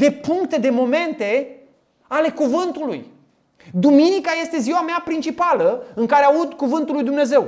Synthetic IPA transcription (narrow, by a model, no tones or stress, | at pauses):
d̪e̞puŋkt̪e̞d̪e̞mo̞me̞nt̪e̞ | ale̞kuvɨnt̪ulṵj | d̪uminikaje̞st̪e̞ziwameapɾint͡ʃipaləɨŋkaɾeaud̪kuvɨnt̪ulːujd̪umne̞ze̞w